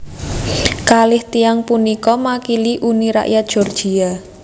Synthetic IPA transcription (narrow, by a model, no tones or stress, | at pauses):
kalɪht̪iaŋpunikɔmakiliʔuniɾa̰ʔjat̪̚d̥ʒ̥ɔ̤rd̥ʒ̥i̤a